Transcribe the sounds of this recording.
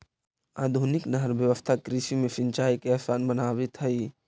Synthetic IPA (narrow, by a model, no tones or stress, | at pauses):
a̰ːd̪ʱunɪknəɦəɾbjəʋəst̪ʰakɾiʃimẽsɪ̃nt͡ʃaːikeɛsaːnbənaːwet̪ɦəi